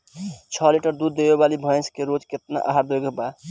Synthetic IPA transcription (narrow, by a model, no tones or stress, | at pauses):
t͡ʃʰɔliʈəɾd̪ud̪ːebebalibʱə̃j̃skeɾod͡ʒket̪na̰ʔaɦaɾd̪eɡeba